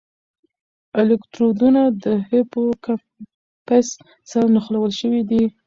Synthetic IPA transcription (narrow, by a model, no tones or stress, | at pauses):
ɪlɪkt̪ɾod̪unad̪əhepoka | pas | saɾnaxlawəlʃəwid̪i